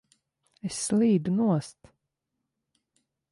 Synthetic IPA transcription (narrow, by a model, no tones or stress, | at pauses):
esːlˠiːd̪unuɔst̪